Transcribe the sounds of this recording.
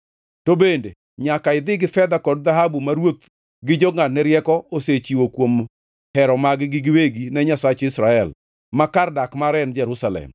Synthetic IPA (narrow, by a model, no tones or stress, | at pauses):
tobende | ɲakaɪd̪ɪɡɪfɛd̪akɔd̚d̪aɦabumaɾwot̪ | ɡɪd͡ʒɔŋatnɛɾjɛkɔoset͡ʃiwokwom | hɛɾɔmaɡɪɡɪɡɪweɡinɛɲasat͡ʃɪsɾaɛl | makardakmaɾɛnd͡ʒɛɾʊsalɛ̰m